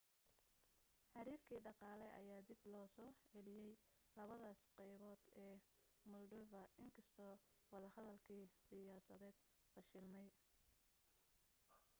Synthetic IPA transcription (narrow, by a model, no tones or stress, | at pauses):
ħɑɾiːrkʰiːɖɑqɑːlɛʔɐ̰jaːd̪ɪblɔːsɔːɛlɪjɛj | lɐβɐðaːsqɛjβɔːd̪ɛː | mʊlɖʊvɐɪŋkʰɐst̪ʰɔwɑðɐhɐðɐlkʰiːsɪjaːsɐðɛːd̪ | bɐʃɪlmɛj